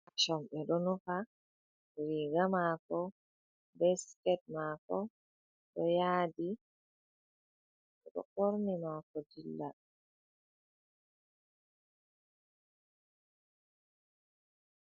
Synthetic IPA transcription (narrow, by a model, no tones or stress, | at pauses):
ʔaʃɔmbɛɗɔnufa | ɾiɡamaːkɔ | bɛskɛt̚maːkɔ | ɗɔjaːdi | ɗɛɗɔ̰ʔoɾnimakɔd͡ʒilːa